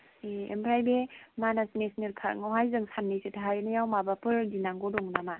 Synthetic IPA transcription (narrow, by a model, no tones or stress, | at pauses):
eḛmpʰɾajbemanasnesniɾkʰa̰ŋawɦajzɯŋsʰanːijsetʰaɦajnajawmabapɯɾdinaŋɡɔdɔŋnama